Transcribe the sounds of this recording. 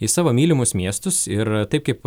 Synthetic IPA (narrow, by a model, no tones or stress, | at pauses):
ɪsɑːʋoːmʲiːlʲɪmʊsmʲiɛst̪ʊsɪɾt̪ɐɪp̚kɐɪp